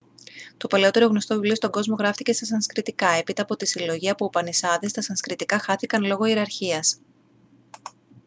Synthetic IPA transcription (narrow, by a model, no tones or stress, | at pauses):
t̪o̞pɐleo̞t̪e̞ɾo̞ɣno̞st̪o̞vivlio̞st̪oŋɡo̞zmo̞ɣɾɐft̪ice̞st̪ɐsɐnskɾit̪ikɐe̞pit̪ɐːpo̞t̪isilo̞ʝiɐpuːpɐnisɐðest̪ɐsɐnskɾit̪ikɐxɐθikɐnlo̞ɣo̞ieɾɐɾçiɐs